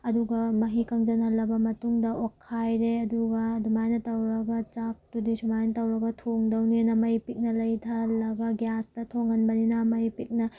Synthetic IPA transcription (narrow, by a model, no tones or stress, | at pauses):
ɐduɡɐmɐɦikɐŋd͡ʒɐnhɐlːɐbɐmɐtuŋdɐʔokʰːajɾeɐduɡɐdumajnɐtɐwɾɐɡɐt͡ʃak̚tudisumajnɐtɐwɾɐɡɐtʰoŋdɐwnenɐmɐipit̚nɐlɐjdʰʱɐlːɐɡɐɡjastɐtʰoŋhɐnbɐninɐmɐipit̚nɐ